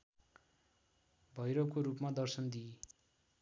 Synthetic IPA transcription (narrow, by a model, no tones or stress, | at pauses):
bʱʌjɾokoɾupmad̪ʌrsʌnd̪ie